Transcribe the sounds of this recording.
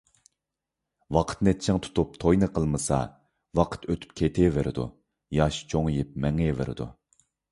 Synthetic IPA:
wɑqʰə̥t̪nɛt͡ʃʰːɪŋt̪ʰu̥t̪up̚t̪ʰojnɨqʰəlˠmɨsɑ̰ | wɑqʰə̥t̪øt̪ʰy̥p̚kʲʰet̪ʰevɪɾɪd̪ṵ | jɑʃt͡ʃʰoŋjɪp̚mɛŋevɪ̰ɾɪ̰d̪u

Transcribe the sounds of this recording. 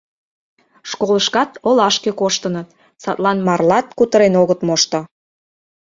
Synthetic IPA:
ʃkoləʃkɑt̪olɑʃkekoʃt̪ənət̪ | sɑt̪lɑnmɑrlɑt̪kut̪əɾenoɣət̪moʃt̪ŏ

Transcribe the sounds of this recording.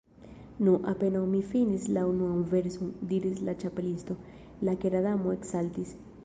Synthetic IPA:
nuʔape̞nawmifinislaunuamveɾsund̪iɾislat͡ʃapelist̪o̞ | lakeɾadamoeksalt̪is

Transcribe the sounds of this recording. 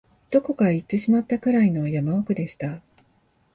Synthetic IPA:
d̪̥o̞ko̞kait̪ːeɕimat̪ːakɯ̟ɾaino̞jamaokɯ̟d̪e̞ɕi̥t̪a

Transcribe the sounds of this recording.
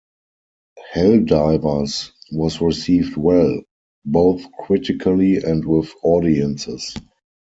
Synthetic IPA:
hɛldaɪvə˞swɔsɹisiːvdwɛl | boʊθkʰɹɪtɪkʰəliɛ̃ntwɪðɔdiə̃nsɪs

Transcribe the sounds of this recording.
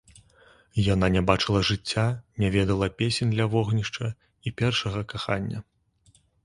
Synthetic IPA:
jananʲɛbat͡ʂɨlˠɐʐɨt͡sʲːanʲavʲɛd̪ɐlˠɐpʲesʲenʲd̪lʲɐvɔɣnʲiʂt͡ʂɐ | ipʲɛrʂɐɣɐkaxanʲːɐ

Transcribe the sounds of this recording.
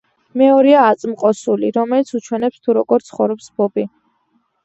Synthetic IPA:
mɛɔɾiaːt̪sʼmqʼɔsuliɾɔmɛlit̪sʰut͡ʃʰwɛnɛpst̪ʰuɾɔɡɔɾt̪sʰχɔvɾɔpsb̥ɔbi

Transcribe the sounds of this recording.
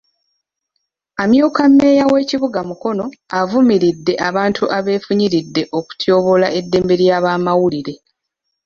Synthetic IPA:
amjuːkamːe̞ːjawe̞ːciβuɡamuko̞no̞avumiɾidːe̞ʔaβaːntʰuʔaβe̞ːfuɲiɾidːe̞ʔo̞ku̥tjo̞ːβo̞laʔe̞dːe̞ːmbe̞ɾjaːβaːmawuliɾe̞

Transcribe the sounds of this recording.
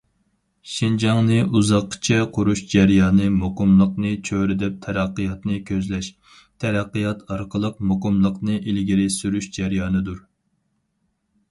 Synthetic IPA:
ʃind͡ʒɑŋnɨʔuzɑqʰːə̥t͡ʃʰɛqʰʊɾuʃd͡ʒæɾjɑːnɨmoqəmlˠəqnɨt͡ʃʰøɾɪd̪ɛp̚t̪ʰɛɾæqːəjɑt̪nɨkʲʰøzlɛʃ | t̪ʰɛɾæqːəjɑt̪ʰɑɾqʰəlˠəq̚moqəmlˠəqnɨʔilɡʲiɾɪsyɾyʃd͡ʒæɾjɑːnɨd̪uɾ

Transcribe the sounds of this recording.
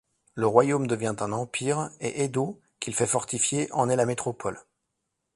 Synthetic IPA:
ləʁwajomd̪əvjɛ̃t̪ɛ̃nɑ̃piʁḛʔed̪o | kʲilfɛfɔʁt̪ifjeʔɑ̃nɛlamet̪χɔpʰɔl

